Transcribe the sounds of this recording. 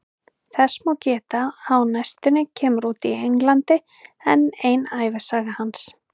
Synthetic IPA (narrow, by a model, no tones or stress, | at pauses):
θɛsmawcɛːt̪ahawnajst̪ʏnɪcʰɛːmʏɾuːt̪iejnlant̪ɪ | ɛnejnaːjvɪsaːɣahans